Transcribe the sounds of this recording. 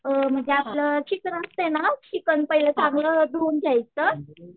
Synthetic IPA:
m̤əɳd͡ʑeapləɕikɾəst̪enaɕikənpəɦiləsãŋɡləd̪ond͡ʑajə

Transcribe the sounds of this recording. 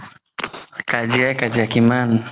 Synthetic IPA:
kad͡ʒakad͡ʒakiman

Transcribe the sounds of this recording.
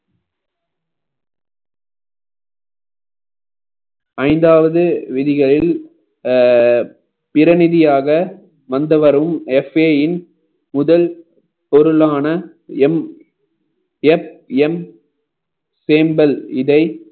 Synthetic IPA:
ɐɪnd̪aːʋɐðɯʋɪðɪɣɐɭɪl | pɪɾɐnɪðɪjaːɣɐ | ʋɐnd̪ɐʋɐɾɯmɛfeːjɪn | mʊðɐl | pɔɾɯɭaːnɐ | ɛm | ɛfɛm | seːmbɐlɪðɐɪ

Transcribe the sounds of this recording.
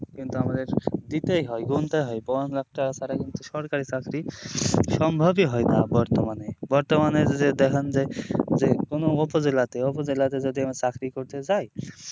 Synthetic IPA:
kint̪uamad̪eɾd̪it̪ejɦɔjɡunt̪ajɦɔjbɔnlakʰʈasaɾakint̪uʃɔɾkaɾisakʰɾiʃɔmbʱɔbiɦɔjnabɔɾt̪ɔmanebɔɾt̪ɔmanezed̪ekʰɔnd͡ʒezekonoopɔd͡zelat̪eopɔzelat̪ed͡ʒɔd̪iamasakʰɾikoɾt̪ed͡ʒaj

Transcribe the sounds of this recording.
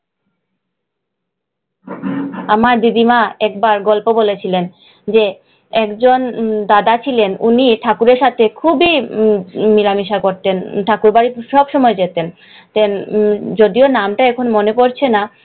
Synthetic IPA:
amaɾd̪id̪imaɛk̚baɾɡɔlpobolet͡ɕʰilen | d͡ʑe | ɛkd͡ʑond̪ad̪at͡ɕʰilenṵniʈʰakuɾeɾʃat̪ʰekʰubi | milamiʃakoɾt̪enʈʰakuɾbaɾiʃɔbʃɔmɔed͡ʑet̪en | t̪end͡ʑod̪ionamʈaɛkʰonmonekoɾt͡ɕʰena

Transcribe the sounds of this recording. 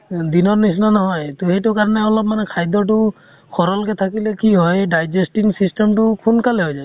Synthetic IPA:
d̪inɔɹnisnanɔɦɔjt̪ɔhejtʊkaɹɔneɔlɔp̚manɛkʰajd̪ɔʈ̬ʊ | kʰɔɾɔlkɛt̪ʰakilekiɦɔjɖajd͡ʒesʈiŋsisʈemʈukʰunkalɛɦɔjd͡ʒaj

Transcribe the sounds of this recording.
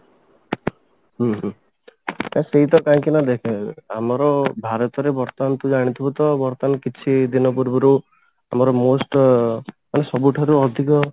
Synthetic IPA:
ɦɦ | t̪ãseɦit̪ɔkãkinad̪ekʰẽamɔɾɔbʱaɾɔt̪ɔɾebɔɾt̪ant̪ud͡ʒaɽ̃it̪ʰibɔt̪ɔbɔɾt̪anɔkit͡ʃʰid̪inɔpuɾbɔɾu | a̰mɔɾɔmosʈ | manesɔbuʈʰaɾuɔd̪ʱikɔ

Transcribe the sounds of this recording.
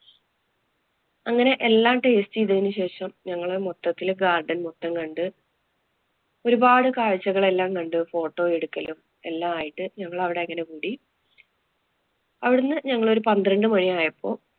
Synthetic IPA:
ɐŋːɐne̞ʔelːaːɳʈeest͡ɕiːðɐðinuɕe̞ːʂɐmɲɐŋːɐɭoɾmot̪ːɐt̪ːilɡaːrɖɐnmot̪ːɐŋkɐɳɖɨ | o̞ɾubaːɽɨkaːɻɐt͡ɕːɐɣɐɭe̞lːaːmkɐɳɖɨfo̞ːʈːo̞ːeɽukːɐlum | e̞lːaːmaːjiʈːɨɲɐŋːɐɭɐʋiɽe̞ɐŋːɐne̞kuːɽi | ɐʋiɽunːɨɲɐŋːɐɭo̞ɾupɐnd̪irɐɳɖɨmɐɳiaːjɐpʰːo̞ː

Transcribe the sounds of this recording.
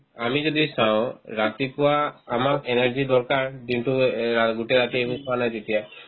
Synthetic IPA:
amid͡ʒɔd̪isaw̃ɾat̪ipɔwaːmakeneɾd͡ʒid̪ɔɾkaɹd̪inʈuaɡuʈeɾat̪ibũkɔanajt̪et̪ija

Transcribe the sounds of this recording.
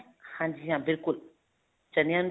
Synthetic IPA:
hãnd͡ʒijãbilkul | t͡ʃanian

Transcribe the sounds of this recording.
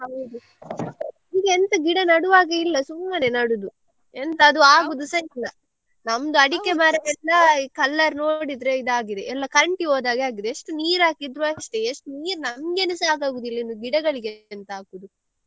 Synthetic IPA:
ɐud̪u | iɡeent̪ɐɡiɽɐnɐɽuʋaːɡeilːɐsumːɐnenɐɽud̪u | ent̪ɐːd̪uaːɡud̪usɐlːɐ | nɐmd̪uɐɽikemaɾɐɡɛːɐkɐlːɐɾno̞ːɽid̪ɾeid̪aːɡid̪eɛlːɐkɐɾɐɳʈiɦoːd̪aːɡeaːɡid̪eeʂʈuniːɾaːkid̪ɾuaʂʈeeʂʈuniːɾunɐmɡenusaːɡaːɡud̪ilːɐinuɡiɽɐɡɐɭiɡent̪ɐaːkud̪u

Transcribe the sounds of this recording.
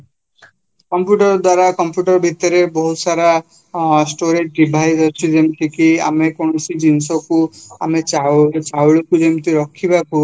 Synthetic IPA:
kɔmpjuʈɔɾɔd̪waɾakɔmpjuʈɔɾɔbʱit̪ɔɾebɔɦusaɾa | sʈoɾed͡ʒɖibʱajzɔt͡ʃʰid͡ʒemt̪ikia̰mekɔnɔsid͡ʒinsɔkua̰met͡ʃat͡ʃawɭekud͡ʒemt̪iɾɔkʰːibaku

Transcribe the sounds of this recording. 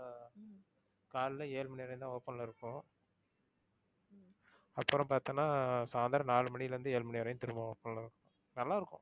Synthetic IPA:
kaːllɐeːlmɐnɪʋɐɾɐj̃ʊ̃nt̪ãːoːpːɐnlɪɾɯkːʊ̃ | ɐpːɯɾʊ̃mpaːɾt̪ɯŋnaːsaːnd̪aːɾɐnaːlɯmɐɳɪjɪlɐʋɐnd̪ɯeːlmɐnɪʋɐɾɐjʊ̃t̪ɪɾɯmɐ̃oːpːɐnɐlɪɾɯkːʊ̃ | nɐlːaːɪɾɯkːʊ̰̃

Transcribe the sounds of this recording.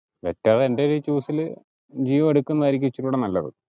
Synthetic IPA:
ʋetːɐðendeɾit͡ɕːuːsil | d͡ʑiːʋɐmeɽukːunːɐɐɾik̬ʲːit͡ɕːɐʈːuːɽenɐlːɐðɨ̰

